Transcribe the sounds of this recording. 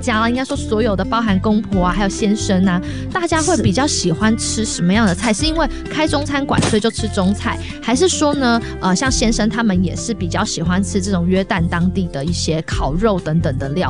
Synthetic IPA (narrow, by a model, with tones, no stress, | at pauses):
t͡ɕja˥lə˨i˥ŋka˥ɪʂwɔ˥swɔ˧˦˥jo˨˩ʊd̪ə˩pɑ˥ʊxa˧˥nkʊ˥ŋpʰɔ˧˥a˧xa˧˥ɪjo˨˩ɕjɛ˥nʂə˥na˨ | t̪a˥˩t͡ɕja˥xwe˥˩ɪpi˨˩t͡ɕjɑ˥˩ʊɕi˨˩xwa˦nʈ͡ʂʰɻ̩˥ʂə˧˥nmə˧jɑ˥˩ŋd̪ə˩t͡sʰa˥˩ɪʂɻ̩˥˩i˥nwe˥˩ɪkʰa˥ɪʈ͡ʂʊ˥ŋt͡sʰa˥nkwa̰˨˩nswe˥˧ɪt͡ɕjo˥˩ʊʈ͡ʂʰɻ̩˥ʈ͡ʂʊ˥ŋt͡sʰa˥˩ɪ | xa˧ɪʂ̬ɻ̩˥˩ʂwɔ˥nə˨ | ə˨ɕjɑ˥˩ŋɕjɛ˥nʂə˥nt̪ʰa˥mə˨njɛ̰˨˩ʂɻ̩˥˩pi˨˩t͡ɕjɑ˥˩ʊɕi˨˩xwa˦nʈ͡ʂʰɻ̩˥ʈ͡ʂɤ˥˩ʈ͡ʂʊ˨˩ŋɥɛ˥t̪a˥˩nt̪ɑ˥ŋt̪i˥˩d̪ə˩i˥˩ɕjɛ˥kʰɑ˨˩ʊɻo˥˩ʊt̪ə˧˥ŋt̪ə˨˩ŋt̪ə˨˩ljɑ˥˩ʊ